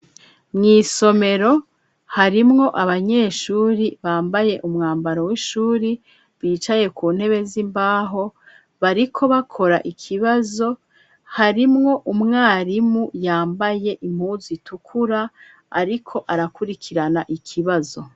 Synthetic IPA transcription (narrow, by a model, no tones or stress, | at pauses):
mŋiːso̞me̞ɾo̞ | haɾimŋo̞ʔaβaɲe̞ːʃuːɾiβaːmbaje̞ʔumŋaːmbaɾo̞wiʃuːɾi | βiːt͡ʃaje̞kuːnhe̞βe̞zimbaːɦo̞ | βaɾikʰo̞βakʰo̞ɾaʔikʰiβazo̞ | haɾimŋo̞ʔumŋaːɾimujaːmbaje̞ʔim̥huːzitukʰuɾa | a̰ɾikʰo̞ʔaɾakuɾikʰiɾanaʔikʰiβazo̞